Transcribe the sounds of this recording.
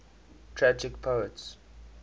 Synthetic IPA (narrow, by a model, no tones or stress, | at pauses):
tʰɹad͡ʒɪkpʰoəts